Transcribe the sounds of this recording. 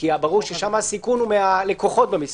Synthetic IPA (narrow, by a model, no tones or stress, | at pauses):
iabaʁuʁʃeʃamasikunumeale̞koχo̞t̚bemis